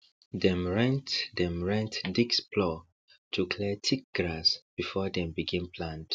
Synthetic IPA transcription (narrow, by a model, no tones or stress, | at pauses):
dɛ̃mɹɛ̃ntdɛ̃mɹɛ̃ntdikspʰlɔ | tʰukʰlɛtʰik̚ɡ̥ɹasb̥ifɔdɛ̃mbiɡĩmpʰlãnd̥